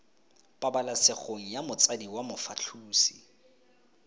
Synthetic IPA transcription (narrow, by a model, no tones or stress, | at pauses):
pʼabalasɪχoŋ̩jamʊt͡sʼadiwamʊfat͡ɬʰuːsi̥